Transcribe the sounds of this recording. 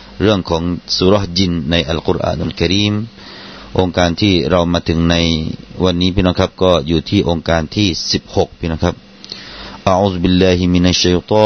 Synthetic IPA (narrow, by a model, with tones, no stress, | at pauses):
ɾɯ˥˩əŋkʰɔː˩˦ŋsuː˧˦ɾɔ˦hd͡ʑi˧nːa˧jʔa˧lqu˧ɾʔa̰ː˧˨nʔa˨lka˧ɾiː˧˩m | ʔo˧ŋkaː˧nt̪ʰiː˥˩ɾa˧wmaː˧t̪ʰɯ˩˦ŋna˧jwa˧nːiː˦˥pʰiː˧˥nɔ˦˧˥kʰa˦˥p̚kɔː˥˩juː˨˩t̪ʰiː˥˩ʔo˧ŋkaː˧nt̪ʰiː˥˩si˨˩p̚ho˨˩k̚pʰiː˧˩nɔ˧˥˩kʰa˦˥p̚ | ʔa˧ʔuː˧˩zbi˧lːaː˧hi˧mi˧na˧ʃːa˧jt̪ˤɔː˧n